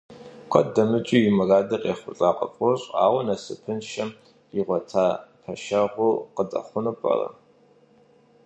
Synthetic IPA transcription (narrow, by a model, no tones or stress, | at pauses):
kʷʰʼɔdɐmɨt͡ʃʼiɪmɨraːdɐqʼeːχʷʊɬʼaːqʼɐ̰pʷʼʊrɕʼa̰ːwɐnɐsɨpʰɨnʃɐm | iʁʷɔtʰaːpʰɐʃɐʁʷʊqətʼɐ̰χʷʊnupʼɐ̰rɐ̰